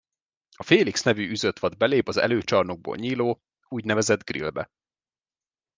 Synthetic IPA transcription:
ɒfeːliksnɛvyyzøt̪ʋɒd̪bɛleːpɒzɛ̰løːt͡ʃɒrnoɡ̚bo̰ːlɲiːloː | uːɟnɛvɛzɛd̪ɡrḭlbɛ̰

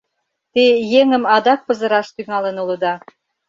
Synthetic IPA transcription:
t̪ejeŋə̆mɑd̪ɑk̚pɤ̆zə̆ɾɑʃt̪yŋɑlə̆nulə̆d̪ɑ

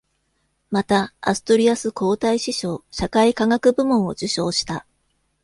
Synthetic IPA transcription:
mat̪aa̰sɨ̥t̪o̞ɾʲiasɨko̞ːt̪aiɕiɕo̞ːɕakaikaŋakɯ̟bɯ̟mõɰ̃o̞̰d͡ʑɨɕo̞ːɕi̥t̪a

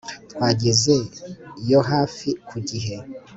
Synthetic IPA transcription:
twaɟizeijoɦaːfikʰuɟiɦe

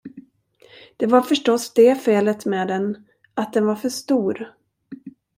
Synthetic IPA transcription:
d̪̥ɛvaɾfœʂʈɔsd̪ɛfeːlət̪meːd̪ɛn | at̪̚d̪ɛnvaɾfœʂt̪uːɾ

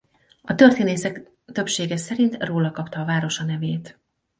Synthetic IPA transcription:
ɒt̪ø̞rt̪eːneːsɛk | t̪ø̞pʃeːɡɛsɛɾint̪roːlɒkɒpt̪ɒːvaːɾo̞ʃɒnɛveːt̪

